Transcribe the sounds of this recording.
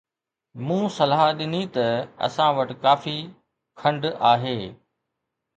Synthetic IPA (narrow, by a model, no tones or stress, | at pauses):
mũːsɐlɦaɗɪnit̪ɐɐ̰sãʋɐʈɪ̆kaːfi | kʰɐ̃ɳɖaːɦeː